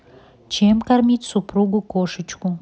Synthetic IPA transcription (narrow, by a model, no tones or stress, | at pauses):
t͡ɕemkarmʲitʲsupɾuɡʊkoʃət͡ɕku